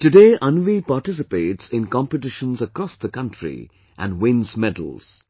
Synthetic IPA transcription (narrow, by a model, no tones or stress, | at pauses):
tɨdeːʔʌ̃nwipaʈɪs̬ɨpeːʈsɪ̃nkɑ̃mpəʈɪʃə̃nzəkɾɔsd̪əkʌ̃ntʰɹḭ | ʔæ̰̃nwɪ̃nzmɛdə̰l̩ˠz̥